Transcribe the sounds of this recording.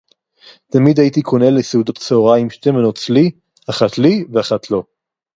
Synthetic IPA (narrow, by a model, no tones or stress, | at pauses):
tamid̪hajit̪ikʰoneleseudot̪seoʁaimʃtemanott͡sli | aχat̪liveaχat̪ʰlo̞